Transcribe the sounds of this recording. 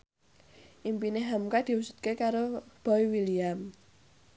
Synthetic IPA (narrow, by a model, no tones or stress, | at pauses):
ʔimpineɦamkad̪̥i̤wusu̥t̪̚kekaɾob̥aiwiliam